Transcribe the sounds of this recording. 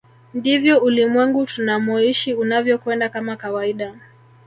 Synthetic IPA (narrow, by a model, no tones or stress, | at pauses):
ndivjɔulimwɛŋɡutunamɔiʃiunavjɔkwɛndakamakawaiɗa